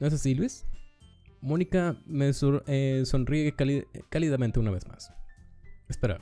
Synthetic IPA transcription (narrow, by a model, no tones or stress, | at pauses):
noes̬asilwis | mo̞nikameseso̞nriekakaliðament̪eunaβe̞zma̰s | espeɾa̰